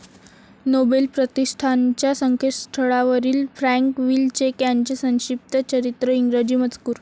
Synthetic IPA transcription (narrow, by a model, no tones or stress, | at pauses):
nobelpɾət̪iʂʈʰant͡ɕjasəŋkʰet̪st̪ʰəɭaʋəɾiːlfɾæŋkʋilt͡ɕekjaɲt͡ɕesə̃w̃ɕip̚t̪ət͡ɕəɾit̪ɾəiŋɡɾəd͡ʑiːmət͡skuːɾ